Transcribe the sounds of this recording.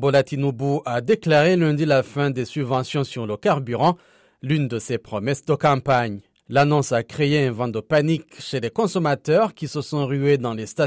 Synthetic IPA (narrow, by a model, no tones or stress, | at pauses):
bolat̪inubuʔad̪eklaʁelɛ̃d̪ilafɛ̃d̪esybvɑ̃sjɔ̃syʁləkaʁbyʁɑ̃ | lynd̪əsepχɔmɛsd̪əkɑ̃paɲ | lanɔ̃sakχeeɛ̃vɑ̃d̪əpanikʃelekɔ̃sɔmat̪œʁkʲisəsɔ̃ʁyed̪ɑ̃lest̪a